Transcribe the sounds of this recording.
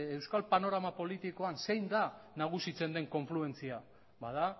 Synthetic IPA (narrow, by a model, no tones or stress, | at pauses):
e̞wskalpano̞ɾamapo̞lit̪iko̞anse̞jnd̪anaɣ̞usit͡se̞nd̪e̞ŋko̞ɱflue̞nt͡sia | bað̞a